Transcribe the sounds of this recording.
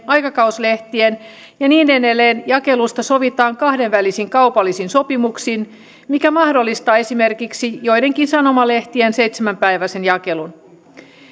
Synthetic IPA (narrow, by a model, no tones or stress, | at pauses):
ɑjkɑkɑusle̞ht̪ien | jɑniːnenelːeːnjɑke̞lust̪ɑso̞ʋit̪ɑːŋkɑhde̞nʋælisiŋkɑuwpɑlːisinso̞pimuksiːn | mikæmɑhdo̞lːist̪ɑːe̞sime̞rkiksijo̞jde̞ŋkinsɑno̞mɑle̞ht̪iense̞jt̪semæmpæjʋæse̞njɑke̞lun